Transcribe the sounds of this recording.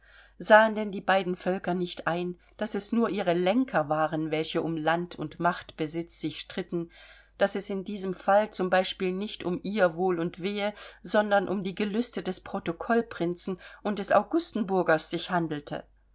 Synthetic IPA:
zaːəndɛndiːbaɪdn̩fœlkɐnɪçtʔaɪn | d̥asɛsnuːɐʔiːʁəlɛŋkʰɐvaːʁənvɛlçəʔʊmlantʰʊ̰ntmaχtb̥əzɪt͡sz̥ɪçʃtʁ̥ɪtn̩ | d̥asɛsɪndiːzəmfalt͡sʊmbaɪʃpiːlnɪçtʊmʔiːɐvoːlʊntv̥eːəzɔndɐnʔʊmdiːɡəlʏstədɛspʁ̥otokʰɔlpʁ̥ɪnt͡sn̩ʔʊnt̚d̥ɛsa̰ʊɡʊstn̩bʊɐɡɐsz̥ɪçhandl̩tʰə̰

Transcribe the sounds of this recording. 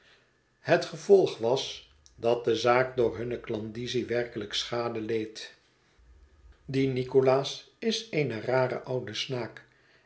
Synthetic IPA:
hətχəvɔlˠχʋɑs | dɑt̚dəzaːk̚dʊːɹɦɵnəklɑndiziʋɛrkələksχaːdəlejt | dinikolaːs | ɪsejnəraːrə̰ʔʌwdəsnaːk

